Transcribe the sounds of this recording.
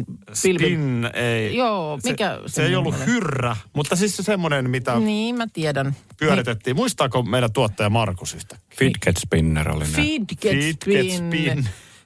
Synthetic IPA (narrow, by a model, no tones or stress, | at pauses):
silinːeijoːmikæsseeijolːuhyrːæmut̪ːɑsissesemːonenmit̪æniːmæt̪iɛdænpyøɾit̪et̪ːiːmuist̪ɑːkomeilæt̪uot̪ːɑjɑmɑrkusyst̪æ̥kːfidket̪spinːḛro̰lḭfidkeid̥̪esnːin